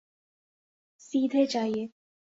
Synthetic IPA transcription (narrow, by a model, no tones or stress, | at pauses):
siːt̪ʰet͡ʃaje